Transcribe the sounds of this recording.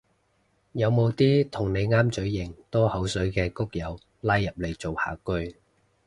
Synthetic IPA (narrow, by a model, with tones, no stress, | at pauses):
jɐ˨˧wmo˨˧wt̪iː˥t̪ʰʊ˨˩ŋne˨˧jŋaː˥mt͡ʃɵ˨˥ɥjɪ˨˩ŋt̪ɔː˥hɐ˨˥wsɵ˨˥ɥkɛː˧kʊ˥k̚jɐ˨˧w | laː˥jːɐ˨p̚le˨˧jt͡so˨wha̰ː˨˩kɵ˥ɥ